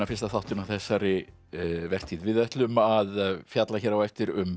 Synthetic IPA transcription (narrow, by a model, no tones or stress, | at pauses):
afɪ̥rst̪aθawht̪ʏnawθɛsːaɾɪ | vɛr̥t̪ʰiðvɪðɛht̪lʏmaðfjat̪laçɛɾawɛft̪ɪɾʏm